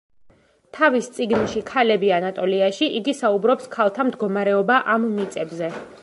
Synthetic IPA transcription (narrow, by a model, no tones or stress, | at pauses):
t̪ʰavist̪sʼiɡnʃikʰalɛbianat̪ʼɔliaʃiʔiɡisaubɾɔpskʰalˠt̪ʰamd̪ɡɔmaɾɛɔbaʔamːit̪sʼɛbzɛ